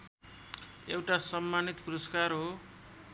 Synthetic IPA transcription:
ewʈasʌmːanit̪puɾʌskarɦo

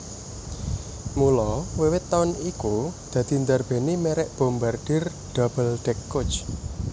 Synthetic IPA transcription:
mulɔwewɪt̪ːaʊnikud̪̥ä̤d̪̥i̤nd̪arb̥e̤nimɛɾɛʔb̥o̤mbarɖ̥ɪ̤r | ɖ̥ab̥əlɖ̪̥ɛkːot͡ʃ

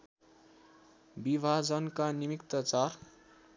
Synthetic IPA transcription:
bibʱad͡zʌnkanimikt̪ʌt͡sar

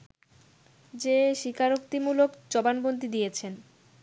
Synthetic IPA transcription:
d͡ʑeʃikʰaɾokt̪imulokt͡ɕɔbanbont̪id̪ijet͡ɕʰen

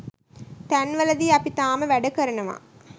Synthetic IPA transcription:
t̪ænʋɐlɐd̪iɐpit̪aːməʋæɖəkəɾɐnɐʋa̰ː

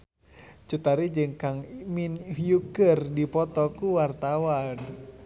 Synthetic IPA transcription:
t͡ʃut̪aɾid͡ʒɨŋkaŋminhjukərdipɔt̪ɔkuwart̪awan

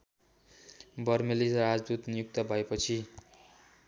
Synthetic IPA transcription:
bʌrmelisad͡zd̪ut̪nijuk̚t̪ʌbʱʌepʌt͡sʰi

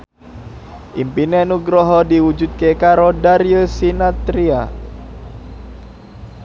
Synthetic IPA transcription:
ʔimpinenuɡɾɔɦɔdiwud͡ʒut̪̚kekaɾodaɾijəsinat̪ɾia

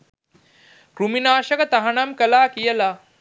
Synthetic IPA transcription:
kɾuminaːʃɐkɐt̪ɐɦɐɳɐmkɐlaːkijɐla

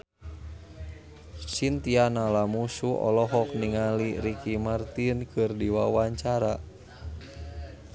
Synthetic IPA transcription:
sint̪ianalamusuʔɔ̰lɔɦɔkniŋaliɾikimart̪inkʰɨrdiwawaɲt͡ʃaɾa

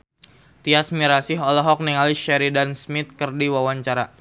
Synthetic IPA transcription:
t̪iasmiɾasɪɦɔlɔɦɔk̚niŋaliʃɛɾidansmit̪̚kərdiwawaɲt͡ʃaɾa

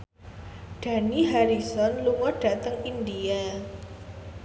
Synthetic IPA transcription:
d̥a̤niɦaɾisɔnluŋɔɖ̥a̤t̪əŋindia

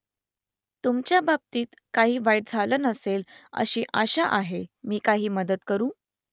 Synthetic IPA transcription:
t̪umt͡ɕjabab̚t̪iːt̪kaɦiːʋajɽ̚d͡zʱalənəselə̰ɕiːʔaɕaʔaɦemiːkaɦiːməd̪ət̪kəɾuː

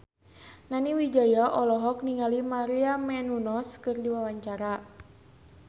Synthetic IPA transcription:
naniwid͡ʒajaʔɔlɔɦɔk̚niŋalimaɾiamɛnunɔskɨrdiwawaɲt͡ʃaɾa

